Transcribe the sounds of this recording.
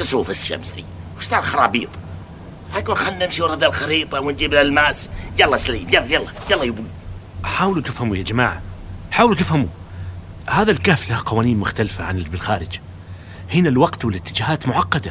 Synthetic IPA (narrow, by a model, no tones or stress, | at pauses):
t̪ɪsuːfɪʃːa̰msd̪ḭwʃt̪aːlxɑɾˤɑ̰ːbiːt̪ˤ | hakunxanːɪmʃiwɾˤɑd̪ːalxɑɾiːt̪ˤɑwɪnd͡ʒiːblalmaːsjɑlːɑsaliːmjɑlːjɑlˤːɑjɑlˤːɑjubu | ħaːwlut̪ɪfhamujad͡ʒamaːʕaħaːwlut̪ɪfhamu | haːðalkaːflahqɑwaːniːnmʊxt̪alfaʕanɪbɪlxaːɾɪd͡ʒ | hɪnalwɑqt̪wɪlɪt̪ːɪd͡ʒaːhaːt̪mʊʕɑqːɑd̪a